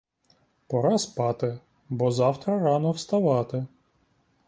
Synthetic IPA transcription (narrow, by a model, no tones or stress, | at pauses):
pɔɾɑspɑt̪ɪ | bɔzɑwt̪ɾɐɾɑnɔwst̪ɐʋɑt̪ɪ